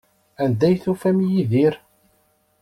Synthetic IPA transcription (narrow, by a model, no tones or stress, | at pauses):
ænd̪æjθufæmjiðiɾ